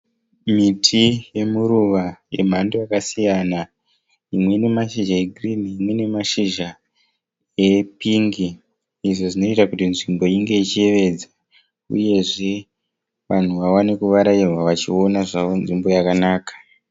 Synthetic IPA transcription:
mitʰije̞muɾuʋaje̞m̤andojakasijana | imwe̞ne̞maʃiʒaeɡʱriniːmwe̞ne̞maʃiʒa | epiŋɡiː | ʐo̞ʐino̞itakutinʐimbo̞iŋɡe̞it͡ʃie̞ʋe̞d͡za | ṵje̞ʐe̞ | ʋan̤uʋawane̞kuʋaɾairwaʋat͡ʃio̞naʐaonʐimbo̞jakanaːkḁ

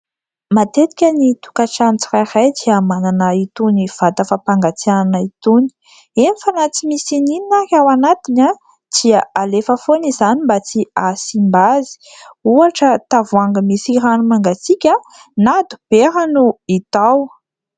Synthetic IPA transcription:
mat̪et̪i̥kʲənit̪u̥kaʈ͡ʂant͡sirairajd̪iamananəit̪univ̥at̪afapaŋɡat͡siananəit̪uni̥ | enifanat͡simisinininarawanat̪ina | d̪̥iaalefəfonizanimbat͡siasimbazi̥ | uaʈ͡ʂət̪avuaŋɡəmisiɾanumaŋɡat͡sikʲə | nad̪ub̥eɾanuit̪aw

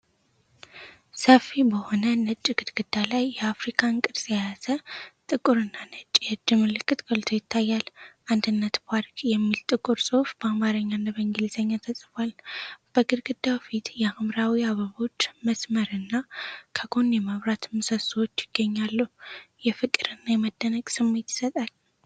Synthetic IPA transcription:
səfːibəho̞nənət͡ʃʼːiɡ̥ɨd̪ɡ̥ɨd̪ːalajːɛafɾikʰaŋkʼɨd̪sʼjazət̪ʼɨkʼuɾɨnːanət͡ʃʼjɛɨd͡ʒːɨmɨlɨkʰːɨt̪ɡəlt̪ʰojɪt̪ʰːajːalʔand̪ɨnːət̪baɾkʼjɛmːilt̪ʼɨkʼuɾsʼofb̥əamaɾəɲːanːaβəŋɡɪlzəɲːat̪ʰəsʼɨfalb̥əɡɨd̪ɡɨd̪ːafit̪jɛamɾawiaβəβo̞t͡ʃːməsməɾɨnːakʰəɡonjɛməβɾat̪mɨsəswot͡ʃːjɪɡ̥ːəɲːalːəhujɛfɨkʼɨɾɨnːajɛməd̪ːənəɡʼsɨmːe̞t̪ɪ̥sət̪ʼal

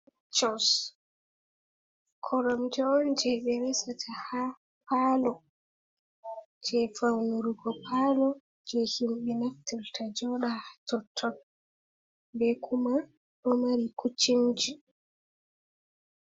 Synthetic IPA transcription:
t͡ʃɔs | kʰɔɾɔmd͡ʒɔnd͡ʒɛɓɛɾɛsatʰaha | paːlɔ | d͡ʒɛfawnuɾuɡɔpʰalɔ | d͡ʒɛhimɓɛnaftːɛltʰad͡ʒɔɗaatɔtʰːɔn | bɛkʰuma | ɗɔmaɾikut͡ʃːimd͡ʒi

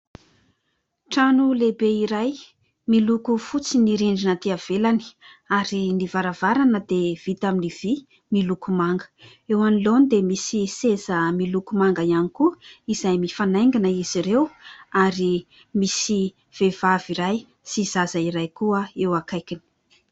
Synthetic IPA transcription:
ʈ͡ʂanulebeiɾaj | milukufut͡siniɾiɳɖ͡ʐinət̪iav̥elani̥aɾinivaɾavaɾanəd̪ev̥it̪aminiv̥i | milukumaŋɡə̥ | ewanilonid̪emisisezəmilukumaŋɡaianikuiz̥ajmifanajŋɡinəiz̥iɾewaɾi | misi | v̥evaviɾaj | siz̥azaiɾajkuəewakajkini̥

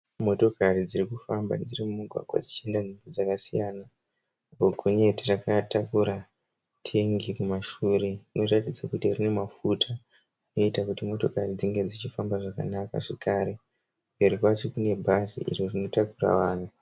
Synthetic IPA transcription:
mo̞to̞karid͡zirikufamba̰d͡zirimumuɡʱwa̰ɡwa̰d͡zit͡ʃie̞ndanʐimbod͡zakasijana | boɡʱoɲe̞tirakatakuɾa | tʰeŋɡikumaʃuːɾe̞rino̞ratid͡zakutirine̞mafutʰa | rino̞itakutimo̞to̞karid͡ziŋɡe̞d͡zit͡ʃifambaʐaka̰naka̰ʐekaːɾe̞ | ʋeɾipwat͡ʃikune̞bʱazḭʔḭrorino̞takura̰ʋaːn̤u

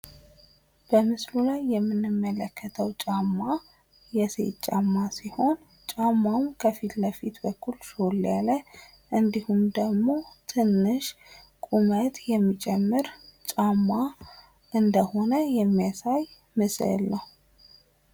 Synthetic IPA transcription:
b̥əmɨslulajːɛmːɨnːɨmːələkʰːət̪ʰəwt͡ʃʼamːa | jɛsḛt͡ʃʼːamːasiho̞n | t͡ʃʼamːawmkʰəfit̪ləfit̪bəkʰːulsoljalə | ʔɨnd̪ihumd̪əɡmo̞t̪ʰɨnːɨʃ | kʼumət̪ʰjɛmːit͡ʃʼɛmːɨɾt͡ʃʼamːa | ʔɨnd̪əho̞nəjɛmːijasaj | mɨslə̰lːəh

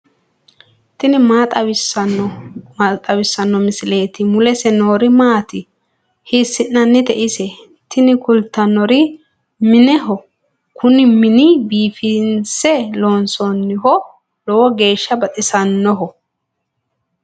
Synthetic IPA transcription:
t̪ɪnɪmaːt̪ʼɐwɪsɐ | t̪ʼɐwɪsːɐnːɔmɪsɪle̞ːt̪ɪmʊlɛsɛno̞ːɾɪmaːt̪ɪ | hɪːsːɪnːɐnːɪt̪ɛʔɪsɛ | t̪ʰɪnɪkʊlt̪ːɐnːɔɾɪ | mɪnɛɦɔ | kʰʊnɪmɪnɪbiːfɪnsɛloːnsɔnːɪhɔ | lɔwɔɡe̞ːʃːɐbɐt̪ʼɪsɐnːɔɦɔ

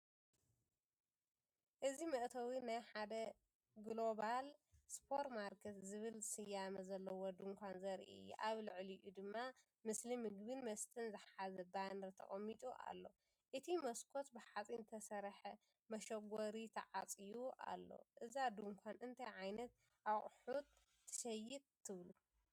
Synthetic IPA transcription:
ʔɨzimɨʔt̪ʰɐwinajħad̪ɐ | ɡlo̞βalspʰo̞ɾtmaɾkʰet̪zɨβɨlsɨjamɐzɐlːɐwod̪uŋkʷʰanzɐɾḭɨ̰jːṵʔaβlɨʕliʔud̪ɨmːa | mɨslimɨɡbɨnmɐst̪ʰʼɨnzɨħħazɐbanɾt̪ʰɐ̰χʼɐmːit̪ʼuʔa̰lːo̞ | ʔɨt̪ʰimɐskʰo̞t̪bɨħat͡sʼint̪ʰɐsɐɾħɐ | mɐʃɐɡʷoɾit̪ʰɐʕat͡sʼijuʔa̰lːo̞̰ʔɨzad̪uŋkʰʷanɨnt̪ʰajʕajnɐt̪ | ʔawχʼħut̪̚ʰː | ɨ̥ʃɐjɪt̪t̪ʰːɨβlu

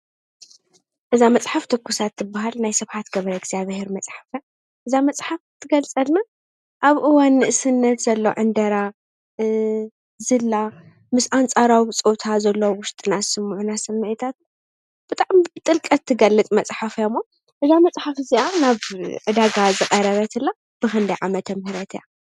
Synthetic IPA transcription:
ʔɨzamɐt͡sʼħaft̪ʰɨkʰːusat̪ːɨbːaɦalnajsɐβħat̪ɡɐβɾɐɡzaβheɾmɐt͡sʼħafna | ʔɨzamɐt͡sʼħaft̪ʰːɨɡɐlt͡sʼɐlna | ʔaβʔɨwanːɨʔɨsɨnːɐt̪z̥ɐlːo̰ʕɨnd̪ɐɾa | zɨlːa | mɨsʔant͡sʼaɾawit͡sʼot̪ʰazɐlːowʊʃt̪ʼɨnasɨmʕunasɐmːɨʕɨt̪ʰat̪ | b̥ɨt̪ʼaʕmibɨt̪ʼɨlkʼɐt̪ʰːɨɡɐlːɨt͡s̪ʼmɐt͡sʼħafjamːo | ʔɨzamɐt͡sʼħafɨziʔanaβʕɨd̪aɡazɨqʼɐɾɐβɐt̪ʰɨlːa | b̥ɨxɨnd̪ɐjʕamɐt̪ʰɐmhɨɾɐt̪ʰja

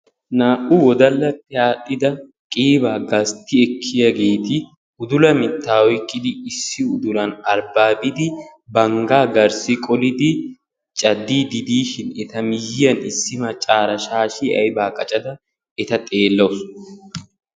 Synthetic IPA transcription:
naːʔʊwɔd̪ɐlːɐt̪ːɪaːɗːɪd̪ɐ | kʼiːbaːɡɐst̪ːɪɛkʰːɪjɐɡe̞ːt̪ɪ | ʊd̪ʊlɐmɪt̪ːaːwɔjkʼːɪd̪ɪːsːɪʊd̪ʊlɐnɐɾbaːbɪd̪ɪ | bɐŋɡaːɡɐɾsɪkʼɔlɪd̪ɪ | t͡ʃʼɐd̪ːiːd̪ɪd̪iːʃɪnɛt̪ɐmɪjɪjɐnɪsːɪmɐt͡ʃʼaːɾɐʃaːʃɪɐ̰jbaːkʼɐt͡ʃʼɐd̪ɐ | ɛt̪ɐt̪ʼe̞ːlːɐʊs

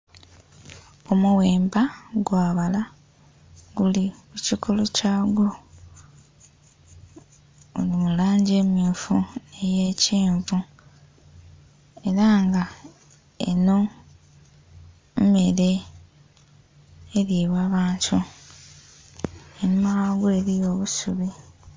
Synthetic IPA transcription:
o̞muwe̞ːmbaɡwaːβala | ɡulikucikʰo̞lo̞caːɡo | olimulaːɲɟe̞ːmjuːfune̞je̞ːciːɱvu | e̞ɾaŋɡa | ḛno̞ | mme̞ɾe̞ | ɾiβwaːβaːntʰu | enumawaːɡoeɾijo̞ːβusuβi

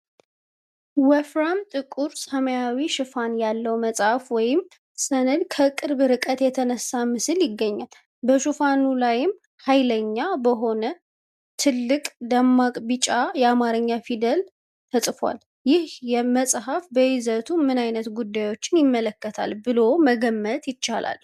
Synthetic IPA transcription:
wɛfɾamt̪ʼɨkʼuɾsəməjawiʃɨfanjalːəwməsʼhafwɔjɪm | sənɨd̪kʰəkʼɨɾbɨɾɨkʼət̪jɛt̪ʰənəsːamɨsɨljɪɡːəɲːal | bəʃufanulajɪm | hajləɲːabəɦo̞nə | t̪ʰɨlːɨkʼd̪amːakʼbɨt͡ʃʼajɛamaɾɨɲːafid̪əl | t̪ʰəsʼfwa̰l | jɪhjɛməsʼɦafbəjɪzət̪ʰumɨnajnət̪ɡud̪ːajwo̞t͡ʃːɪnjɪmːələkːət̪ʰa̰lbɨlo̞məɡəmːət̪jɪt͡ʃːala̰l

